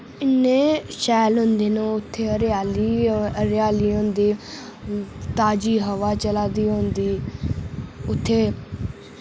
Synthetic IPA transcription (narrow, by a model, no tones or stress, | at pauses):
ɪnːẽːʃɛːlɦʊ̃nd̪eːnõːʊt̪ʰːeːɾaːliːəɾɪjaːliːɦõːnd̪iː | t̪aːd͡ʒiːɦəʋaːt͡ʃəlaːd̪iːɦõːnd̪iː | ʊt̪ʰːeː